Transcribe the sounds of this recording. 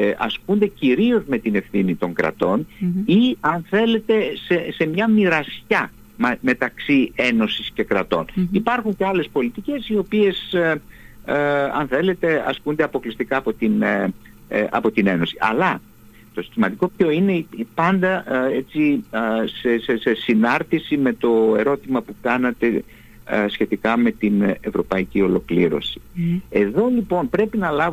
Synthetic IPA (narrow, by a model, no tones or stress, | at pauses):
ɐ̰sund̪e̞ciɾiozme̞t̪ine̞fθinit̪o̞ŋkɾɐ̰t̪o̞niɐnθe̞le̞t̪e̞sese̞mɲɐmiɾɐsçɐ | mme̞t̪ɐksie̞no̞sisce̞kɾɐt̪o̞̰nipɐɾxuɲce̞ɐle̞spo̞lit̪ice̞sio̞pie̞s | ɐ̰nθe̞le̞t̪e̞ɐ̰skund̪e̞ɐpo̞klist̪ikɐːpo̞t̪in | ɐ̰po̞t̪ine̞no̞siʔɐ̰lɐ | t̪o̞si̥t̪imɐd̪iko̞pço̞ine̞pɐnd̪ɐet͡sisesesesinɐɾθisime̞t̪o̞e̞ɾo̞t̪imɐpukɐnɐt̪e̞ | sçe̞t̪ikɐme̞t̪ine̞vɾo̞pɐicio̞lo̞kliɾo̞̰si̥e̞ðo̞lipo̞npɾe̞pinɐlɐv